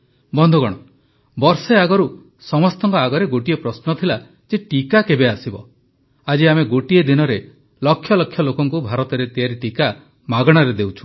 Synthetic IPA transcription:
bɔnd̪ʱuɡɔɽ̃ɔ | bɔɾseaɡɔɾu | sɔmɔst̪ɔŋkɔaɡɔɾeɡoʈiepɾɔsnɔt̪ʰila | d͡ʒeʈikakebeasibɔ̰ | ad͡ʒiameɡoʈied̪inɔɾe | lɔkʰːjɔlɔkʰːjɔlokɔŋkubʱaɾɔt̪ɔɾet̪iɦaɾiʈika | maɡɔɽ̃ɔɾed̪ewt͡ʃʰu̥

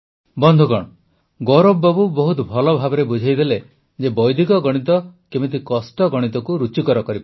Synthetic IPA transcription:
bɔnd̪ʱuɡɔɽ̃ɔ | ɡɔɾobːɔbubɔɦut̪bʱɔlɔbʱabɔɾebud͡ʒʱajd̪ele | d͡ʒebɔjd̪ʱikɔɡɔɽ̃it̪ɔkebit̪̬ikɔsʈɔɡɔɽ̃it̪ɔkuɾut͡ʃikɔɾɔkɔɾipa

